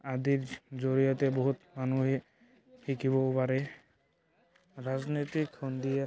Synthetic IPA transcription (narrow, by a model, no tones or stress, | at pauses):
adiɹzoɹijɔtɛboɦutmanuɦɛ | xikʰiβɔpaɹɛ | ɹaznojtikʰːɔnd̪ia